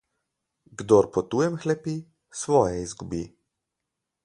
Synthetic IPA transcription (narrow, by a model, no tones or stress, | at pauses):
ɡd̪oɾpɔt̪uːjɛmxlɛpi | sʋɔːjɛizɡubiː